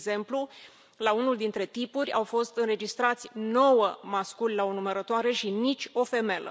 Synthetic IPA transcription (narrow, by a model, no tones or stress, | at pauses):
ze̞mplu | launuld̪int̪ɾe̞t̪ipuɾʲawfo̞st̪ɨnɾe̞d͡ʒist̪ɾat̪sʲno̞wəmaskulʲlaonuməɾət̪oaɾe̞ʃinit͡ʃʲo̞fe̞me̞lə̰